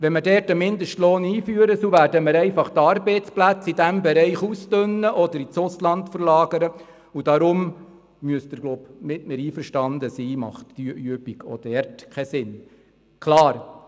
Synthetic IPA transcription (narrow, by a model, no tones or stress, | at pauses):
ʋɛnmədɛɾtəmɪnd̪əʃtloːniːfyəɾəsuvæːɾdəməɾɛɪfɑχt̪ɑɾbɛɪt͡splæt͡sidæmbɛɾɛɪχustønːəʔɔd̪əɾit͡sʊslɑntfəɾlɑːɡ̥əɾə | ud̥ɑɾʊm | myəsd̥̪əɾɡ̥lobnɪtmɛɾiːfəɾʃtɑnd̪əsiːmɑ̰χtːyəʔyəbiɡɔ̰d̥ɛɾtkʰɛsɪn | kʰlɑːɾ